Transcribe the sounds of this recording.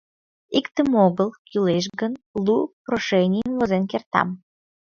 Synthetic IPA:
ikt̪əmoɣəlˠkyleʃ̬ɣənlupɾoʃenʲijənvozenkert̪ɑ̰m

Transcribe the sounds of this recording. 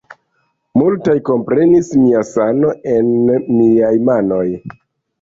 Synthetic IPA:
multajko̞mpɾe̞nismiasano̞ʔe̞nmiajmano̞j

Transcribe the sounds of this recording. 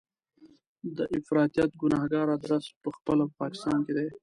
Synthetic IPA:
d̪əʔɪfɾɑt̪ijɑt̪̚ɡʊnɑhɡɑɾad̪ɾaspəxpəlapɑkɪ̥st̪ɑ̰nked̪e

